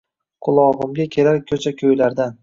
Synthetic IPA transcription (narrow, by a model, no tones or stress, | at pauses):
qʰʊlˠɒʁɨmɡʲakʲʰe̞laɾkʲʰɵt͡ʃʰakʲʰɵjlaɾd̪an